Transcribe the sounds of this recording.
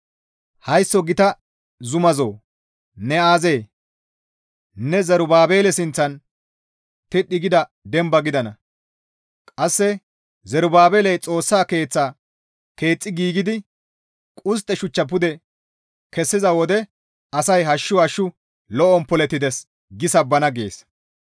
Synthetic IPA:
hɐjsːɔɡɪt̪ɐ | zʊmɐzoː | nɛaːze̞ː | nɛzɛɾʊbaːbe̞ːlɛsɪnt͡sːɐn | t̪ɪɗːɪɡɪd̪ɐ | d̪ɛmbɐɡɪd̪ɐnɐ | kʼɐsːɛ | zɛɾʊbaːbeːlɛjt͡sʼo̞ːsːaːke̞ːt͡sːaː | ke̞ːt͡sʼːɪɡiːɡɪd̪ɪ | kʼʊs̬t̪ʼːɛʃʊt͡ʃːɐp̬ʊd̪ɛ | kɛsːɪzɐwɔd̪ɛ | ɐsɐjɦɐʃːʊhɐʃːʊ | lɔʔɔnpɔlɛt̪ːɪd̪ɛs | ɡɪsɐbːɐnɐɡe̞ːs

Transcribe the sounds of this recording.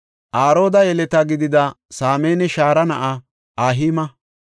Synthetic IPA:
ʔaːɾo̞ːd̪ɐjɛlɛt̪ɐɡɪd̪ɪd̪ɐ | saːmeːnɛʃaːɾɐnɐʔa | aːɦiːmɐ

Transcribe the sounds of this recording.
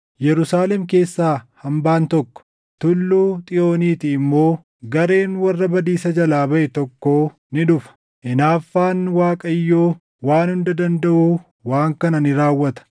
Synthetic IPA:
jɛɾʊsaːlɛmke̞ːsːaːhɐmbaːnt̪ɔkːɔ̥ | t̪ʊlːuːt̪ʼɪʔo̞ːniːt̪ɪːɪmːo̞ː | ɡɐɾe̞ːnwɐrːɐbɐd̪iːsɐd͡ʒɐlaːbɐʔɛt̪ɔkːo̞ː | nɪᶑʊfɐ̥ | ʔɪnaːfːaːnwaːkʼɐjːoː | waːnhʊnd̪ɐd̪ɐnd̪ɐʔuː | waːŋkɐnɐnɪɾaːwːɐt̪ɐ̥

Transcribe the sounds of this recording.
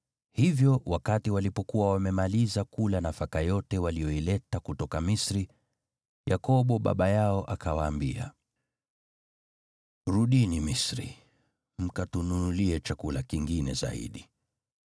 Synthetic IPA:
hivjɔwakatiwalipɔkuwawamɛmalizakulanafakajɔtɛwalijɔilɛtakutɔkamisɾi | jakɔɓɔɓa̰ɓajaɔʔakawaːmbia̰ | ɾuɗinimisɾḭ | m̩katununuliɛt͡ʃakulakiŋɡinɛza̰ḭɗi

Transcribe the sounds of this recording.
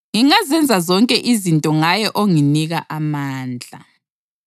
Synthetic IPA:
ŋiŋazɛnd͡zʱazɔŋkʼɛʔizintʼɔŋajɛʔoŋiniɣaʔamaːnd͡ɮʱa̰

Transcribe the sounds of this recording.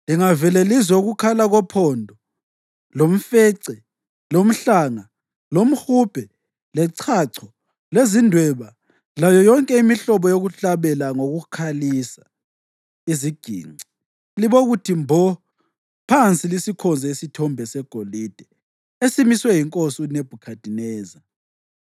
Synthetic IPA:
liŋavɛlelizwɛuɣukʰalaɣɔpʰɔndʱɔ | lom̩feːǀi | lom̩ɬaŋa | lom̩xub̥ʱɛ | lɛǀʰaǀʰɔ | lezindʱwɛβa | lajɔjɔŋkʼɛimiɬɔβɔjoɣuɬaβɛlaŋoɣukʰalisa | iziɡ̥ʱḭːi̥ | liβɔɣutʰimbʱɔ | pʰant͡sʼilisikʰɔnd͡zʱɛisitʰɔmbʱɛsɛɡ̥ʱolid̥ʱɛ | esimiswɛjiŋkʼosiuneb̥ʱukʰad̥ʱinɛːza

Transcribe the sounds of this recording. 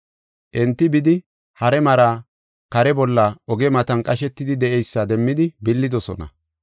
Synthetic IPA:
ʔɛnt̪ːɪbɪd̪ɪ | hɐɾɛmɐɾa | kɐɾɛbɔlːɐɔɡɛmɐt̪ɐnkʼɐʃɛt̪ːɪd̪ɪd̪ɛɛjsːɐd̪ɛmːɪd̪ɪbɪlːɪd̪ɔsɔ̰nɐ̰

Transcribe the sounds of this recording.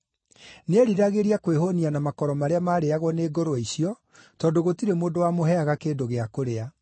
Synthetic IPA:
neɾiɾaɣeɾiakweɦonianamakɔɾɔmaɾeamaːɾeaɣwɔneːɡoɾoisiɔ | tɔdoɣotiɾemoːndowamoɦɛaɣakeːndoɣeakoɾea

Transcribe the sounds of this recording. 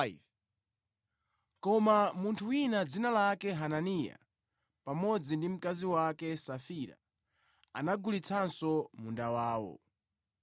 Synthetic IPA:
kɔmamuntʰuwinad͡zinalakɛɦananija̰ | pamɔd͡zindim̩kaziwakɛsafiɾa̰ | a̰naɡulit͡sʰansɔmundawaːwɔ̰

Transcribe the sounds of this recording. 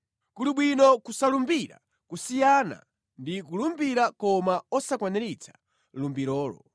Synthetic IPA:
kuluɓwinɔkusalumbiɾa̰ | kusijana̰ | ndikulumbiɾakɔmaɔsakwanɛɾit͡sḁ | lumbiɾɔːlɔ̰

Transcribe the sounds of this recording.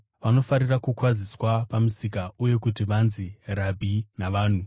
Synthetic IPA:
ʋano̞faɾirakukwad͡ziswapamusikauje̞kutiʋanzirabʱinaʋaːn̤u

